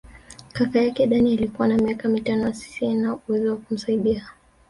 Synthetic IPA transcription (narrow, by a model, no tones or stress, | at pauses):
kakajakɛɗanialikuwanamiakamitanɔjasi̥siɛnauwɛziwakum̩saiɗia